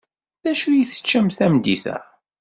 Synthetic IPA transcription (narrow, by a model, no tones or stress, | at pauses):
ðæʃujiθə̥t͡ʃːæmθæmd̪iθæ̰